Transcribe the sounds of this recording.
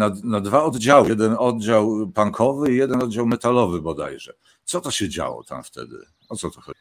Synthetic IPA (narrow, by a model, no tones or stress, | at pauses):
nanad̪vaɔd̪d͡ʑawd̪ɛnɔd̪̚d͡ʑawpaŋkʰɔvɘijɛd̪ɛnɔd̪d͡ʑawmɛt̪alɔvɘbɔd̪a̰jʐɛ̰ | t̪sɔt̪ɔɕɛd͡ʑa̰wɔ̰t̪a̰mft̪ɛ̰d̪ɘ̰ | ɔt̪sɔt̪ɔxɔ